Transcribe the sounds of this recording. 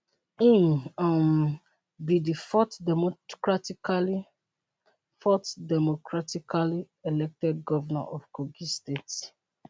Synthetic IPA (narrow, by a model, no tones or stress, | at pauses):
ĩnam | bidifɔtmkɹatikali | fɔtdɛmokɹatikali | elɛk̚tɛd̚ɡɔvana̰ʔɔfkʰoɡistets